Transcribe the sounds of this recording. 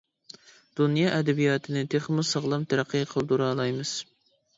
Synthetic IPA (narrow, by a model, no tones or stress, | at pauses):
d̪̥unjɑʔɛd̪ɛbijɑːt̪ʰɨnɨt̪ʰeχmʊsɑʁlˠɑmt̪ʰæɾæqʰːɨqʰəlˠd̪uɾɑːlˠɑjmɨz̥